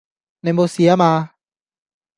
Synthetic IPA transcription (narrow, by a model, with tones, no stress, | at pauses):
na˧˨mbo˧si˧a˦maː˧